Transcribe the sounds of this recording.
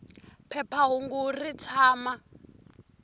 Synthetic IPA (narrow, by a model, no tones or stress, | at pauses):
pʰɛpʰaɦuŋɡurit͡sʰaːma